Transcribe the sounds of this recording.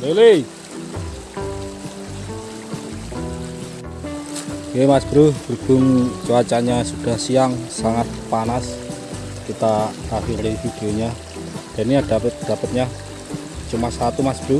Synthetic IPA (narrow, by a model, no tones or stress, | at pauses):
lele | emasb̥ɾʊhb̥ərb̥ʊ̤ŋt͡ʃuat͡ʃaɲasud̥a̤hsiaŋsaŋat̪̚panas | kit̪aafiŋlefid̥ioɲa | d̥a̤niad̥aət̪̚d̥a̤pət̪̚ɲa | t͡ʃumasat̪umasb̥əɾʊh